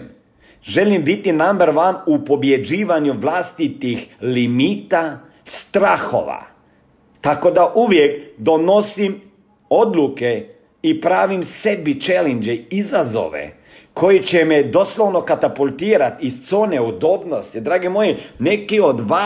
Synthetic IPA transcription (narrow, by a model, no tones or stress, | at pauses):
ʒelimbit̪inambeɾʋanupo̞bjed͡ʒiːʋaɲuʋlˠast̪it̪ixlimiːt̪a | st̪ɾaːxo̰ʋa̰ | t̪ako̞d̪aʔuʋjekd̪o̞no̞sim | o̞d̪luke | ipɾaːʋimsed̪̚bit͡ʃelɛnd͡ʒeizazo̰ːʋḛ | kʰo̞jit͡ʃemed̪o̞slˠoʋnokat̪apulʲˠt̪iːɾat̪ist̪soːneud̪oːbnost̪id̪ɾaːɡimojinekio̞d̪ʋa